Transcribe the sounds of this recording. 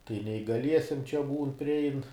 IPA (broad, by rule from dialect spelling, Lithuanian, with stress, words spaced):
tɐɪ nʲɛiːɡɐˈlʲiɛsʲiɛm t͡ʃʲɛ ˈbuːn pʲrʲɪˈɛɪn